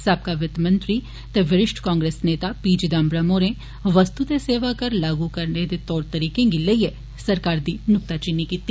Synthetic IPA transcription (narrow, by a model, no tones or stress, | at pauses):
sɐb̚kaʋɪt̪mə̃nt̪ɾi | t̪eʋɪɾɪʃʈʰkãːŋɡɾeːsneːt̪apiːd͡ʒd̪aːmbɾəmõːɾẽ | ʋəst̪ut̪eseːʋakɐɾlaːɡukɐɾned̪et̪ɔːɾt̪ɐɾiːkẽɡiləie | sɐɾkaːɾd̪iːnʊk̚t̪at͡ʃɪnːikiːt̪ːiː